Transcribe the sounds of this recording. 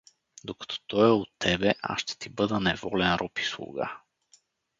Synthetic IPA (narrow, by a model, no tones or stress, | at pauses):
d̪okɐ̥t̪ʰɔ̥t̪ɔɛot̪ːɛbɛʔa̰ʃʃt̪ɛ̥t̪ibɤd̪ənɛvɔlɛnɾɔpi̥slˠṵɡa̰